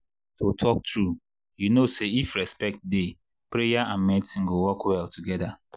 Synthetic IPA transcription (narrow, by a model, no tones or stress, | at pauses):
tʰotʰɔk̚tɹu | junoseifɹɛspɛk̚t̚de | pɹejaʔãnmɛtĩn̩ɡowɔkwɛltuɡɛda